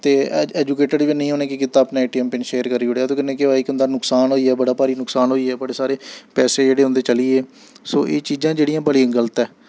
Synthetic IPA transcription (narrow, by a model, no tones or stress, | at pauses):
t̪eːɛːd͡ʒuːkeːʈəɖʋinəĩːɦoːnẽːkɪkɪt̪ːaːpnaːeːʈiːɛːmpɪnʃeːəɾkəɾːiːoːɽeːɛːt̪õːkɪnːẽːkɪaːikʊ̃nd̪aːnʊksaːnɦoːiːɛːbəɽaːpaːɾiːnʊksaːnɦoːiːɛːbəɽeːsaːɾeːpɛːseːd͡ʒeːɽeːɦʊ̃nd̪eːt͡ʃəliːeː | so̰ːʔeːt͡ʃiːd͡ʒãːd͡ʒeːɽiːãːbəɽĩːɡələt̪ɛː